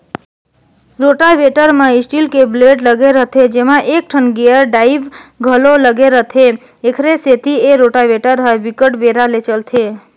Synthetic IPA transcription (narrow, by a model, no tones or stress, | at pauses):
ɾoʈaʋeʈəɾmãisʈilkebleɖləɡeɾət̪ʰed͡ʒemãʔek̚ʈʰənɡeəɾɖaiʋɡʱəloləɡeɾət̪ʰe | ekʰɾeset̪ʰieɾoʈaʋeʈəɾɦəebikəʈbeɾalet͡ʃəlt̪ʰe